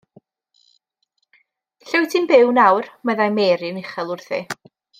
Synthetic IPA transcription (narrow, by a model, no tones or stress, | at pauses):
ɬɪwtʰɪnbɪwnawrməðajmeːɾɪnɪχɛlˠʊrθɪ̰